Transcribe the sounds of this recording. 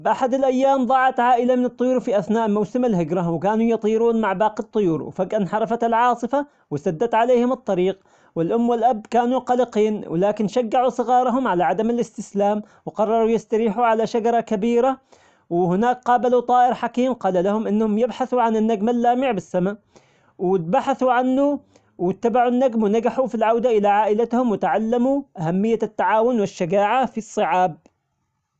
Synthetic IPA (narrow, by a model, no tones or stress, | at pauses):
bʔaħad̪ɪlʔajːaːmðˤɑʕɑt̪ʕaːʔɪlamɪnɨt̪ˤːʊjuːɾfiʔaθnaːʔlmawsɪmalhɪɡɾawɪkaːnujɑt̪ˤiːɾuːnmaʕbɑːqit̪ˤːʊjuːɾwfaɡʔanħɑɾˤɑfat̪ɪlʕɑːsˤɨfa | wɪsad̪ːat̪ʕaleːhɪmɨt̪ˤːɑɾiːq̚ | wɪlʔʊmːwɪlʔabːkaːnuqɑlɪqiːnwɪ̰laːkɪnʃaɡːaʕusˤɨɣɑːɾˤɑɦʊmʕalaʕad̪amɪlɪst̪ɪslaːm | wqɑrˤːɑɾˤujɪst̪aɾiːħuʕalaʃad͡ʒɑɾˤɑkabiːɾa | wɪhɪnaːkqɑːbalut̪ˤɑːʔɪɾħakiːmqɑːlalahʊmʔɪnːhʊmjɪbħaθuʕanɪnːaɡmalːaːmɪʕbɪsːama | wɪt̪̚baħaθuʕanːu | wɪt̪ːabaʕunːaɡmwnaɡaħufilʕawd̪aʔɪlaʕaːʔɪlat̪hʊmwɪt̪ʕalːamuʔahamːɪjːat̪ːaʕaːwʊnwɪʃːaɡaːʕafisˤːɨʕaːb̚